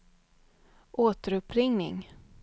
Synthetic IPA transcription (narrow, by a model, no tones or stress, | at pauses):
ʔoːt̪əɾɵpʰːɾɪŋnɪ̰ŋ